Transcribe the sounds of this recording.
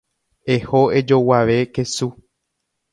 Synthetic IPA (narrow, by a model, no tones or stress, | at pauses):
e̞hoe̞d͡ʒo̞waʋe̞kesu